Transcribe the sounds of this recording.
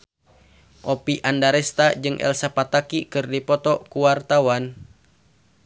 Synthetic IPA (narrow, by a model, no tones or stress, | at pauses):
ʔopiʔandaɾɛst̪ad͡ʒɨŋʔɛ̰lsapat̪akikɨrdipɔt̪ɔkuwart̪awan